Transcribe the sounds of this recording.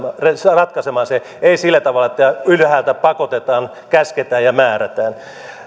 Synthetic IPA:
resrɑt̪kɑsemɑːse | eisilːæt̪ɑʋɑlːɑet̪ːæylhæːlt̪æpɑkot̪et̪ɑːn | kæsket̪æːjjɑmæːræt̪æːn

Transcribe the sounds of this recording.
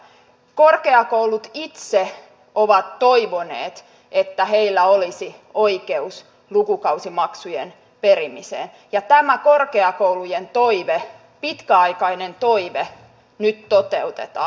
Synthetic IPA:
korkeɑkoulut̪it̪se | oʋɑt̪toiʋonḛːt̪ | et̪ːæheilːæolisi | oikeus | lukukɑusimɑksujen | peɾimisḛːn | jɑt̪æmækorkeɑkoulujent̪oiʋe | pit̪kæɑikɑinent̪oiʋe | nyt̪tot̪ḛut̪ḛt̪ɑ̰ː

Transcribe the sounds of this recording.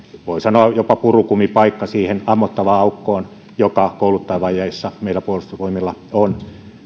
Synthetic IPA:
ʋoisɑnoɑjopɑpurukumipɑikːɑsiːhenɑmːot̪ːɑʋɑɑukːoːn | jokɑkoulut̪ːɑjɑʋɑijɑisːɑmeilːˑæpuolust̪ɑʋoimilːɑon

